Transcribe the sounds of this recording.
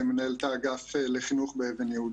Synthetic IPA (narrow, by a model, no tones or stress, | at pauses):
emenaelt̪aːɡafeleχinuχbeevenjehud